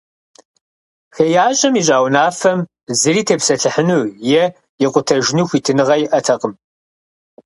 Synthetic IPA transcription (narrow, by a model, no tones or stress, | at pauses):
xejaːɕʼɐmiːɕ̬ʼaːwnaːfɐm | zɨɾiːtʰeːpsɐɬɨħɨnuːjɛ | jɪqʷʊtʰɐʒnuːxʷitʰɨnɨʁɐjɪʔɐtʰɐqəm